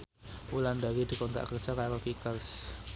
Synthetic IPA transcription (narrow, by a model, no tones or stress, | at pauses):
ulandawid̪i̤kɔnt̪ɾa̰ʔkərt͡ʃakajɔfikərs